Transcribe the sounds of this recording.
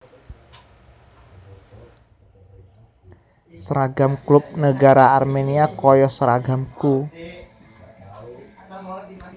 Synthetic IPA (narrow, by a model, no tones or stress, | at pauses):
səɾaɡamklʊp̚nəɡaɾaarmeniakɔjɔsɾaɡamku